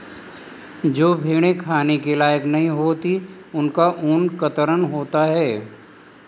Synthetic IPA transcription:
d͡ʒoːbʱeːɽ̃ekʰaːnekelaːjəknɐɦĩɦoːt̪i | ʊnkaʔʊːnkət̪əɾənɦoːt̪aɦɛː

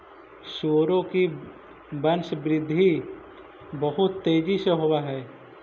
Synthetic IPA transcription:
ʃoːɾõki | bənʃbɾɪd̪ʱːi | bəɦʊt̪ːeːd͡ʒiseɦowaɦɛː

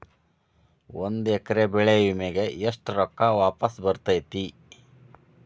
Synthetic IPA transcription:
wond̪ɛkɐɾebɛɭeʋimeɡe̞eʂʈɾɔkːaʋaːpɐsbɐɾt̪ɐjt̪i

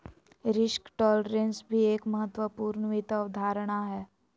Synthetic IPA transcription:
ɾɪʃkʈɔːlɖɾẽnsbʱieːkməɦət̪ːwəpuːɾɳʋɪt̪əʋd̪ʱaːɾəɽ̃aɦɛː

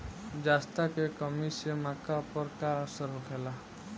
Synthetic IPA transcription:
d͡ʒaːst̪akekəmisemaːkapəɾkaəsəɾɦokʰɛːlaː

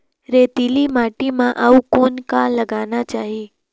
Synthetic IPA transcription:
ɾet̪ilimaʈimãʔaukonkalːəɡanat͡ʃaɦi

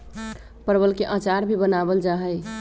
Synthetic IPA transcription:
pəɾbəlkeʔat͡ʃaɾbʱibənabəld͡ʒaɦəj

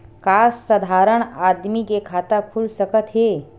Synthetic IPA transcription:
kaːsːəd̪ʱaːɾəɽ̃aːd̪mikekʰaːt̪əkʰulsəkət̪ɦeː

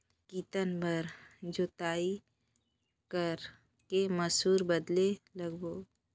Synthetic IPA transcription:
kiːt̪ənbəɾd͡ʒot̪aːi | kəɾ | keməsuːɾbəd̪leləɡboː

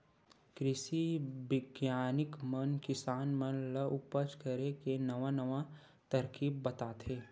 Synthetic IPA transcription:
kɾɪsibɪɡjaːnɪkmənkɪsaːnmənləʔʊpət͡ʃkəɾekenɐʋanəʋa | t̪ɐɾkiːbːɐt̪aːt̪ʰeː

